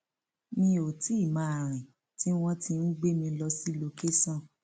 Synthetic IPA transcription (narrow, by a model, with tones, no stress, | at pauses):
mĩ˧˦o˨ti˨˦˨mã˨˦˨a˨ɾ̃ĩ˨ | ti˦w̃ɔ̃˦ti˧nũ˦ɡ͡be˦mĩ˧lɔ˧si˦lo˧ke˦sã˦˨